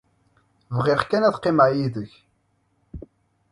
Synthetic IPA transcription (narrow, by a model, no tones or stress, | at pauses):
vʁɪʁkænæθqːɪmʕjiðəç